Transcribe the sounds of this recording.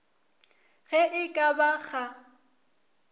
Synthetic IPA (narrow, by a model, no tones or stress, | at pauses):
ɣɛʔɪkʼabaɣa